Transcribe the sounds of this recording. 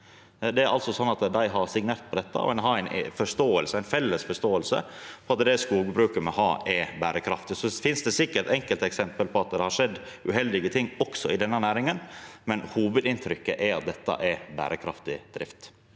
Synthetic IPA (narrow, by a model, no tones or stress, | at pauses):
d̪ɛæɾʔɑ̰lt̪sɔsɔnːɑt̪d̪æɪɦɑɾsɪŋneːɾt̪̚pʰɔd̪ɛt̪ːə̰ɔ̰ɛnɦɑːæɪnfɔʂt̪oːəlsəæɪnfɛlːəsfɔʂt̪oːəlsə̰pʰɔɑt̪̚d̪ɛskuːɡəbɾʉːkəmɛɦɑ̰ːɛbæːɾəkʰɾɑ̰ft̪ɪsɔfɪnsd̪ɛsɪkːəɾt̪ɛŋkəlt̪ɛksɛmpəlpʰɔɑt̪̚d̪ɛhɑɾʂɛd̪ː | ʉhɛld̪ɪɡət̪ʰɪŋːɔksɔɪd̪ɛnːənæːɾɪŋənmɛnhuːʋʉd̪ɪnt̪ʰɾʏkːəʔɛɑ̰t̪̚d̪ɛt̪ːɑ̰ʔɛbæ̰ːɾəkʰɾɑ̰ft̪ɪd̪̥ɾɪ̰ft̪